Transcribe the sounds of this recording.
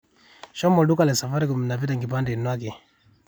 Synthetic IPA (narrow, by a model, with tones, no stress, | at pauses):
ʃɔ˦mɔ˨ɗu˦kalɛsa˨fa˦ɾikumi˨na˨p̬i˦taŋɡi˨pa˦ndɛ˨nwak̬i˨